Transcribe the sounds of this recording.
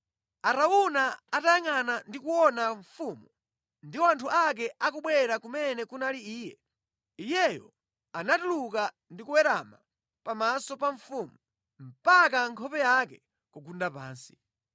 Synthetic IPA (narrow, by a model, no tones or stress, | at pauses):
aɾaunaatajaŋanandikuwɔnaɱfumu | ndiwantʰuʔak̬ɛʔakuɓwɛɾakumɛnɛkunaliiːjɛ | ijɛjɔ̰ | anatuluka | ndikuwɛɾama | pamasɔpaɱfumu | m̩pakaŋkʰɔpɛjakɛ | kuɡundapa̰ːnsi̥